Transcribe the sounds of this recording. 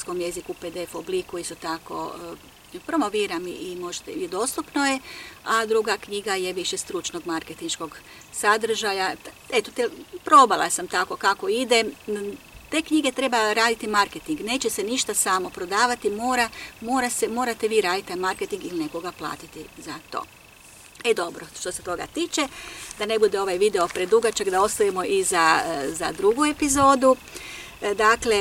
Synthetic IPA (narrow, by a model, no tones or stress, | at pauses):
sko̞mje̞zikuped̪eefoblikuist̪o̞t̪ako̞̰ | pɾo̞mo̞ʋiːɾamiimo̞ʒt̪eid̪o̞st̪upnoje̞ad̪ɾuɡakɲiɡajeʋiʃest̪ɾut͡ʃno̞ɡmaɾket̪inʃko̞ɡ | sad̪r̩ʒajaet̪ot̪epɾo̞balˠa̰samt̪ako̞kako̞id̪e̞ | t̪e̞ːkɲiɡet̪ɾe̞baɾaːd̪it̪imaɾket̪iŋɡne̞ːt͡ɕeseniʃt̪asaːmo̞pɾo̞d̪aːʋat̪imo̞ːɾamo̞ːɾasemo̞ːɾat̪e̞ʋiːɾaːd̪it̪ːajmaɾket̪iŋɡiline̞ko̞ɡaplˠa̰ːt̪it̪izat̪o̞̰ː | ed̪o̞bɾoʃt̪o̞se̞t̪o̞ɡa̰t̪iːt͡ʃed̪ane̞bud̪eo̞ʋajʋid̪e̞o̞pɾed̪uɡat͡ʃaɡd̪ao̞st̪ojemo̞ʔizaza̰d̪ɾuɡue̞pizo̞ːd̪u | d̪aːkle̞